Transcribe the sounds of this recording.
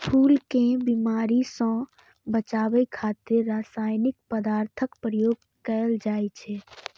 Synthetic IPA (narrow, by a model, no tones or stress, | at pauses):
pʰuːlkẽbimaːɾisɔ̃ | bət͡ʃaːbəjkʰat̪ɪɾːasaːjnɪk̚pəd̪aːɾt̪ʰəkpɾəjoːɡ̚ | kəld͡ʒaːjt͡ʃʰɛ